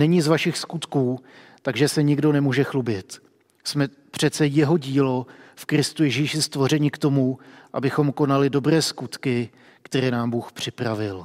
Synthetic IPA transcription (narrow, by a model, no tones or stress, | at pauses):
nɛɲɪzvaʃɪxskut̪kuː | t̪aɡʒɛsɛɲɪɡdo̞nɛmuːʒɛxlubɪt̪ | smɛ | pr̝̥ɛt̪t͡sɛjɛɦo̞ɟiːlo̞fkɾɪst̪ujɛʒiːʃɪst̪vo̞r̝ɛɲɪkt̪o̞muʔabɪxo̞mko̞nalɪdo̞bɾɛːskut̪kɪ | kt̪ɛɾɛːnaːmbuːxpr̝̥ɪpɾavɪl